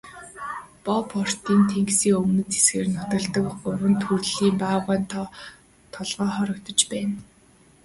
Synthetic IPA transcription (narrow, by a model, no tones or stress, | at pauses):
pɔpʰɔr̥t̪iːnt̪ʰeŋksiːŋɵmnɵ̆t͡s̪t͡se̥sɡeːrnʊt̪ə̆ɮt̪ə̆kʊɾə̆nt̪ʰurɮiːmpaːʁʊːnt̪ | t̪ʰɔɮʁɔːχɔɾɞ̆kt̪ɞ̆t͡ɕpæːn